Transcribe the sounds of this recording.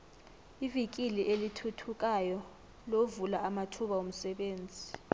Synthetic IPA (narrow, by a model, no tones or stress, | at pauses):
ivik̬ʼiliʔelitʰutʰuk̬ʼajɔ | lovulaʔamatʰuɓaum̩sɛɓeːnd͡zʱi